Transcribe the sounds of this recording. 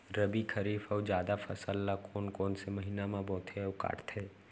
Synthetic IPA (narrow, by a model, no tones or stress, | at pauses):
ɾəbikʰəɾiːfɐd͡ʒjaːd̪afʰɐsəlːakoːnkoːnsemɐɦiːnamãbõːt̪ʰeʊka̰ːʈt̪ʰeː